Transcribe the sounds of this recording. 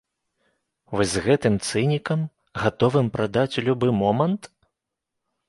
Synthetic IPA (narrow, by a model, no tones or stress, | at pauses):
vɔzʲzɣɛt̪ɨmt̪sɨnʲikɐm | ɣat̪ɔvɨmpɾad̪at͡sʲulʲubɨmɔmɐnt̪